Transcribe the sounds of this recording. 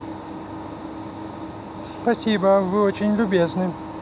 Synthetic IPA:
spɐsʲibəvɨot͡ɕɪnʲlʲʊbʲeznɨ

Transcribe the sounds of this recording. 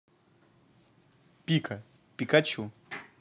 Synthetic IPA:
pʲikʰɐ | pʲikat͡ɕu

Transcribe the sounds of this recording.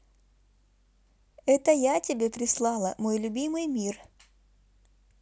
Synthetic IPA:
ɛt̪əjatʲɪbʲepɾʲɪslˠɑlˠə̰mojlʲʊbʲimɨjmʲir

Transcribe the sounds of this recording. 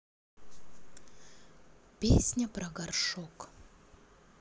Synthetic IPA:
pʲesʲnʲəpɾɐɡarʂok

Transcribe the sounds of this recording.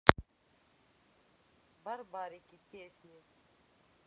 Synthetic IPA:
bɐɾbaːɾeːkipeːsie

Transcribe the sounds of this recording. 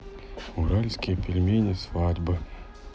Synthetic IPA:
uɾalʲsʲkʲɪjpʲɪlʲmʲenʲɪsvadʲbɨ

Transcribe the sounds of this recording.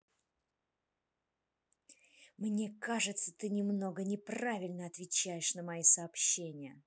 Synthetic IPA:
mnʲe̞kaʐɨt̪sə̥t̪ɨnʲɪmno̞ɡənʲɪpravʲɪlʲnəɐt̪vʲɪt͡ɕæjɪʂnəmɐjisɐːpɕːenʲɪjə

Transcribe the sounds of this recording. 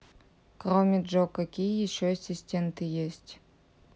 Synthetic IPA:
kromʲɪʐokːɐkʲijəjɪɕːosʲɪsʲtʲent̪ɨjesʲtʲ

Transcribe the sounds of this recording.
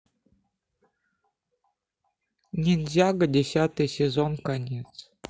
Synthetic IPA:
nʲɪnzʲaɡədʲɪsʲat̪ɨjsʲɪzonkanʲet̪s

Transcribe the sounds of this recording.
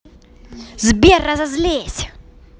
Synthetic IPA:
zibiarazazilɛːsḁ

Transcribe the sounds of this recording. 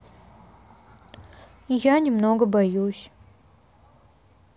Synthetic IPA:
janʲɪmnoɡəbɐjusʲ

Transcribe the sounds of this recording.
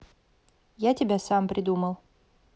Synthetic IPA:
jatʲɪbʲasampɾʲʔɪd̪uməlˠ

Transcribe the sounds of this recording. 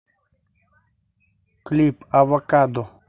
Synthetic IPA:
klipavakad̪o

